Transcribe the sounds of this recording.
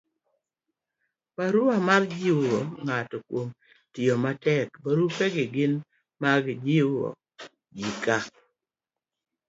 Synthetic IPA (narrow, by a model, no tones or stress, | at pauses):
paɾʊamard͡ʒɪoŋatɔkwom | tɪɔmatɛkpaɾupeɡɪɡɪn | maɡd͡ʒɪɔ̰ | d͡ʒɪka